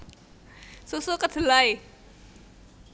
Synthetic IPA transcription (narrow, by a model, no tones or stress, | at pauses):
susukat̪ʰɯlaj